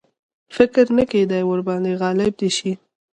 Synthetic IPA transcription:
fɪkɾnəked̪ajwəɾbɑnd̪eɣɑlɪb̚d̪eʃi

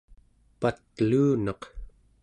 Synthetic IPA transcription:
pat̪̚luːnɑq

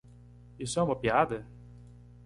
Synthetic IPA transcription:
isʊɛũmɐpiad̪ɐ

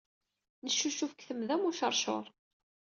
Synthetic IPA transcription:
nəʃːuʃufəkθəmðæmuʃəɾˤʃo̰ɾˤ

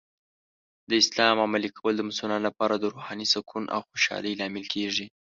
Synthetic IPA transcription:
d̪əɪslɑmamalikʰawəld̪əmʊsʊlɑnlapɑɾad̪əɾohɑnisakʰunʔa̰wxoʃɑ̰ləjlɑmɪlkʰeʐi

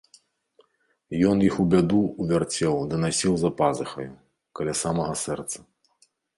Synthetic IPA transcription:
jɔnjixubʲad̪uːvʲart͡sʲɛwd̪ɨnasʲiwzɐpazɨxɐ̰ju | kɐlʲasamɐɣɐsɛrt̪sɐ̥

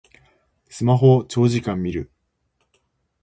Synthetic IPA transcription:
sɨmaɦo̞t͡ɕo̞ːʑikãmːʲiɾɯ̟

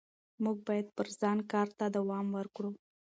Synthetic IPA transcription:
muɡ̚bɑjad̪̚pəɾzɑnkɑɾt̪ad̪awɑmwəɾkɽu

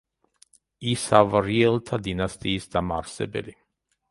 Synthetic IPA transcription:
isavɾiɛlˠt̪ʰad̪inast̪ʼiːsd̪amaɾsɛ̰bɛ̰li

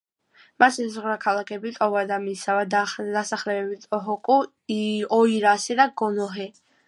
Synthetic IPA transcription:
masɛzʁɾakʰalˠakʰɛbit̪ʼɔvad̪amisavad̪d̪asaχlɛbɛbit̪ʼɔɦɔkʼu | ɔiɾasɛd̪aɡɔnɔɦɛ

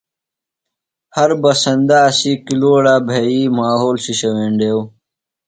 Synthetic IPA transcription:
hɐɾbɐsɐnd̪aːsikiloːɽaːbʱeiːmaːɦoːlsiɕɐweːɳɖeːw

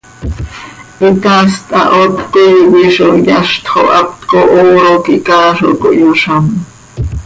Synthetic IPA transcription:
ʔik̪ast̪ʼɑ̰ʔot̪kojwiʃojaʃt̪χoʔapt̪koʔoɾokikaːʃo̰koʔjuʃam

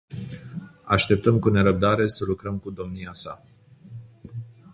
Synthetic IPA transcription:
aʃt̪e̞p̚t̪əmkune̞ɾəb̚d̪aɾe̞səlukɾəmkud̪o̞mniasa

